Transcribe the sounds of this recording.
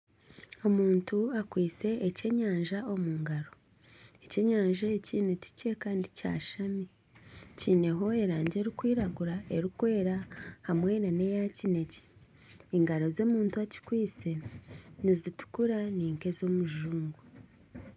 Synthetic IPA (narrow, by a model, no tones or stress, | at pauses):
o̞muːntuakwiːse̞ːce̞ɲaːɲʒao̞muːŋɡaɾo | ece̞ɲaːɲʒaeciːnuci̥cekaːndica̰ːʃami | ciːne̞ɦo̞e̞ɾaːɲɟeɾikwiːɾaɡuɾae̞ɾikwe̞ːɾahamwe̞nane̞jacine̞ce̥ | iŋɡaɾo̞zo̞muːntuaci̥kwiːse̞nizitu̥kuɾaniːŋke̞zo̞muʒuːŋɡu